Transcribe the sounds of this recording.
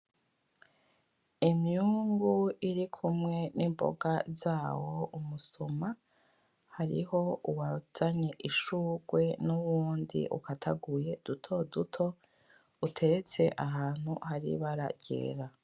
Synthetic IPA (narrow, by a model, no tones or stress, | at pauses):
imuːŋɡuiɾikʰumŋe̞nimbo̞̰ɡazaːwo̞umusoma | haɾḭho̞uwaz̥aɲeʔiʃuːɡwe̞nuwuːndḭʔṵkatʰa̰ɡuje̞d̥utʰo̞dutʰo̞ | utʰe̞ɾe̞t͡se̞ʔaɦaːn̥hṵhaɾḭβaɾa̰ɟ̥e̞̰ːɾa